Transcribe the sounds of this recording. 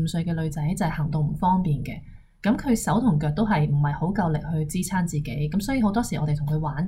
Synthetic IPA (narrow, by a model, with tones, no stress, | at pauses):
m̩˧sɵ˧ɥkɛː˧lɵ˨˧ɥt͡sɐ˨˥˦jt͡sɐ˨jhɐ˨˩ŋt̪ʊ˨ŋm̩˨˩fɔː˥ŋpiː˨nkɛː˧ | kɐ˨˥mkʰɵ˨˧ɥsɐ˨˥wt̪ʰʊ˨˩ŋkœː˧k̚t̪o˥wɦɐ˨jm̩˨˩hɐ˨jho˨˥wkɐ˧wlɪ˨k̚hɵ˧ɥt͡siː˥t͡sʰaː˥nt͡siː˨ke˨˥jkɐ˨˥msɔː˨˥jiː˨˧ho˨˥wt̪ɔː˥siː˨ʔɔː˨˧te˨jt̪ʰŋkʰɵ˨˧ɥwaː˨˥n